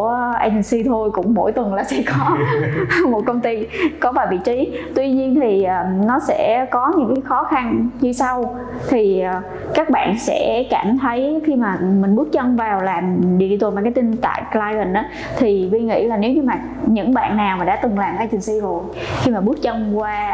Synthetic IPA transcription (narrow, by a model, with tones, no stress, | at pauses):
əʔa̰ː˧jt͡ɕ̪i˨˩ŋ̟si˧t̪ʰo˧jkʊ̰˧˥ŋ͡mmo̰˧˥jt̪wə˨˩nlaː˨˩sɛ̰˧˥kɔ˨˦ | mo˨˩t̚kə˧wŋ͡mt̪i˧kɔ˨˦vaː˨˩vḭ˧˨t͡ɕi˨˦t̪wi˧ɲi˧ənt̪ʰi˨˩ʔəː˨˩nɔ˨˦sɛ̰˧˥kɔ˨˦ɲɨ̰˧˥ŋkaː˨˦jxɔ˨˦xa˧nɲɨ˧sa˧w | t̪ʰi˨˩ʔəː˨˩ | kaː˦˥k̚ɓa̰ː˧˨nsɛ̰˧˥kaː˧˨mt̪ʰə˨˦jxi˧maː˨˩mï˨˩ŋ̟ɓɨ˦˥ət̚t͡ɕə˧wŋ͡mvaː˨˩wlaː˨˩mɗḭ˧˨i˧˩˨maː˨˩kːjt̪ï˧nt̪a̰ː˧˨jlaː˧jvə˨˩nʔaː˨˦ | t̪ʰi˨˩vi˧ŋḭ˧˥laː˨˩ne˨˦wɲɨ˧maː˨˩ | ɲɨ̰˧˥ŋɓa̰ː˧˨nːaː˨˩wmaː˨˩ɗa̰ː˧˥t̪ɨ˨˩ŋlaː˨˩mʔaː˧jt͡ɕi˨˩ŋsi˧zo˨˩j | xi˧maː˨˩ɓɨ˦˥ət̚t͡ɕə˧wŋ͡mkwaː˧